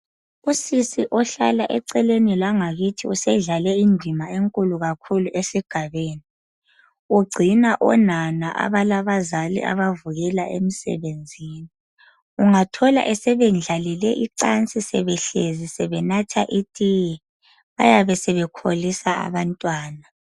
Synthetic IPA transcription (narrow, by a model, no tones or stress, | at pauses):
usisiʔɔɬa̰laʔɛǀɛlenilaŋaɣitʰiusɛɮalɛindʱimaeŋkʼuluɣakʰuluʔesiɡ̥ʱaβeːni | uɡ͡ǀʱinaʔɔ̰nanaʔa̰βalaβazalḭʔa̰βavuɣɛlaʔḛmisɛ̰βend͡zʱiːni | uŋatʰɔla̰ʔɛsɛβɛnd͡ɮʱalilɛʔiǀant͡sʼisɛ̰βɛɬezisɛβɛnatʰaʔitʼijɛ | βa̰jaβɛsɛβɛkʰolisaa̰βantʼwaːna